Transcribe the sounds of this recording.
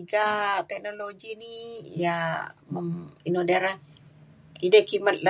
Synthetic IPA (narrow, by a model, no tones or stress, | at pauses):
iɡat̪ɛk̚noloɡinijaməminodaɾa | idəkimat̪̚la